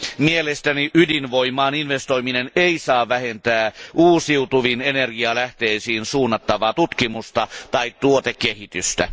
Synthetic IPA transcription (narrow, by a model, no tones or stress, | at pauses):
mielest̪æniʔydinʋo̞imˑɑːninʋest̪o̞imineneisɑːʋʋæhent̪æːʔuːsiut̪uʋinenerɡiɑlæht̪eːsiːnsuːnːɑt̪ːɑʋɑːt̪ut̪kimust̪ɑt̪ɑitt̪uot̪ekːehit̪yst̪æ̰